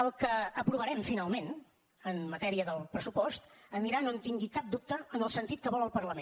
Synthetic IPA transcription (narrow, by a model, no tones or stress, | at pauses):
əlˠkəːpɾuβəɾɛmfinalˠmen | ənmət̪ɛɾiəðəlˠpɾəsupɔst̪əniɾanont̪iŋɡikap̚d̪up̚t̪əːnəlˠsənt̪it̪̚kəβɔlˠəlˠpərləme